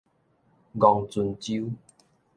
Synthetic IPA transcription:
ɡɔ˨˧ŋt͡su˧nt͡ɕi˦

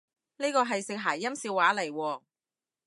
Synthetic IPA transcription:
niː˥kɔː˧ɦɐ˨jsɪ˨k̚ɦaː˨˩jːɐ˥msiː˧waː˨˥lɐ˨˩jwɔː˧

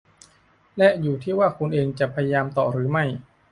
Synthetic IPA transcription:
lɛ˦˥ʔjuː˨˩t̪ʰiː˥˩waː˥˩kʰu˧nʔeː˧ŋt͡ɕa˨˩pʰa˧ja˧jaː˧mt̪ɔː˨˩ɾɯː˩˦ma˥˩j

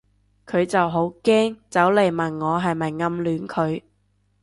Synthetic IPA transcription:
kʰɵ˨˧ɥt͡sɐ˨wɦo˨˥wkɛː˥ŋt͡sɐ˨˥wle˨jmɐ˨˩nŋɔː˨˧ɦɐ˨jmɐ˨˩jŋɐ˧mlyː˨˥nkʰɵ˨˧ɥ

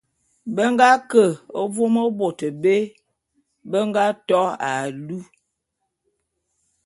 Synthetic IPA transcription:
bə˦ŋɡa˦kə˨o˦vo˦mə˦bo˨tə˨be˦ | bə˦ŋɡa˦tɔ˦a˨lu˦

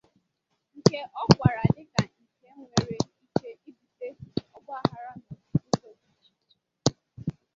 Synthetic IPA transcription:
ŋ̩˨ke˦ʔɔ˦ɡʷa˨ɾa˨dɪ˦ɡa˨ŋ̩˨ke˦ŋʷe˨ɾe˨i˦t͡ʃe˦i˦bi˨te˦ɔ˦bʊ˦a˨ɦa˨ɾɔ˦nʊ˨u˦to˨

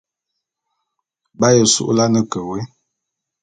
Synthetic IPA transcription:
ba˦jə˨sṵ˦ʔla˦nə˦kə˨we˦

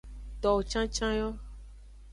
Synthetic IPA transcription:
t̪ɔ˨t͡ʃã˦t͡ʃã˦jɔ˦

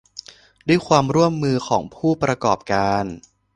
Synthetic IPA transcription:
du˥˩əjkʰwaː˧mɾu˥˩əmːɯː˧xʰɔː˩˦ŋpʰuː˥˩pɾa˧kɔː˨˩p̚kaː˧n

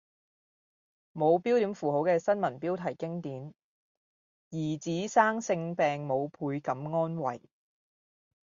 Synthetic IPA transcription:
mo˨˧wpiː˥wt̪iː˨˥mfuː˨˩ɦo˨˥wkɛː˧sɐ˥nmɐ˨˩npiː˥wt̪ʰɐ˨˩jkɪ˥ŋt̪iː˨˥n | jiː˨˩t͡siː˨˥saː˥ŋsɪ˧ŋpɛː˨ŋmo˨˧wpʰuː˧jkɐ˨˥mŋɔː˥nwɐ̰˨˩j

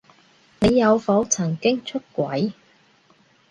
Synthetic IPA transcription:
ne˨˧jːɐ˨˧wfɔː˨˥t͡sʰɐ˨˩ŋkɪ˥ŋt͡ʃʰɵ˥t̚kʷɐ˨˥j

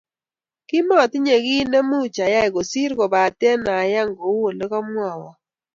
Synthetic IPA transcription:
kɪ˦mɔ˦˨t̪ɪ˦ɲe˨ɡi˦ne˦mu˦˨t͡ʃa˨ja˦ɪ˨ɡo˨si˦ɾɡɔ˨ba˨te˦na˨ja˦ŋɡo˨˦wo˨le˦kɔ˦mwa˦˨wɔ˨

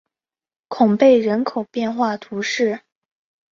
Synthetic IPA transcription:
kʰʊ˨˩ŋpe˥˩ɪɻə˧˥nkʰo˨˩ʊpjɛ˥˧nxwa˥˩t̪ʰu˧˥ʂɻ̩˥˩

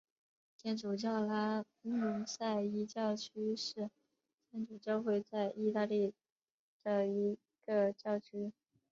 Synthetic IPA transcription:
t͡ɕʰjɛ˥nʈ͡ʂu˨˩t͡ɕjɑ˥˩ʊla˥ | u˧˥ŋsa˥˩ɪi˧˥t͡ɕjɑ˥˩ʊt͡ɕʰy˥ʂɻ̩˥˩ | t̪ʰjɛ˥nʈ͡ʂu˨˩t͡ɕjɑ˥˧ʊxwe˥˧ɪt͡sa˥˧ɪʔi˥˧t̪a˥˧li˥˩ | d̪ə˨˩i˧˥ | ɡ̥ə˧t͡ɕjɑ˥˩ʊt͡ɕʰy˥

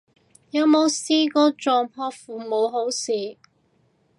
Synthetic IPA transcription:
jɐ˨˧wmo˨˧˥wsiː˥kɔː˨˥t͡ʃɔː˨mpʰɔː˧fuː˨˩mo˨˧wɦo˨˥wsiː˨˩

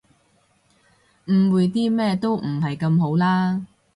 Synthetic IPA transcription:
m̩˨˧wuː˨˧jt̪iː˥mɛː˥t̪o˥wm̩˨˩hɐ˨jkɐ˧mɦo˨˥wlaː˥

